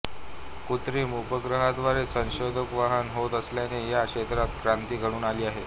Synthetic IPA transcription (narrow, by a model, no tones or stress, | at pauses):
kut̪ɾiːmupəɡɾəɦad̪ʋaɾesə̃nɕod̪ʱəkʋaɦənɦot̪əsljanejaɕet̪ɾat̪kɾant̪iːɡʱəɽ̃uːnaliːaɦe